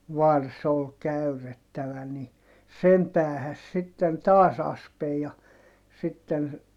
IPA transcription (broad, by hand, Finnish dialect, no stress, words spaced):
ʋɑrs ol kæyretːæʋæ ni sem pæːhæs siten tɑːs ɑspej jɑ sitːen